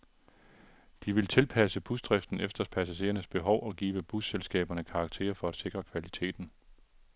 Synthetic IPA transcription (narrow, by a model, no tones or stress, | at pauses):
d̥iʋe̝lt͡sʰe̝lpʰæsəb̥usd̥ʁɛfd̥n̩efd̥ɐspʰæsæɕe̝̰ːɐnəsb̥e̝ɦɒʊʔɒ̽ɡ̥ḭːʋəb̥uselsɡ̥ɛ̰ːb̥ɐnəkʰɑ̈ɡ̥t͡sʰe̝̰ːɐfɒ̽æd̥sʰe̝ɡ̥ʁɐkʰʋælit͡sʰe̝̰ːd̥n̩